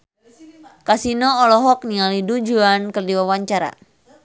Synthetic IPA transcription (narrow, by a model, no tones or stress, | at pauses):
kasinɔːlɔɦɔk̚niŋalidud͡ʒuankərdiwawaɲt͡ʃaɾa̰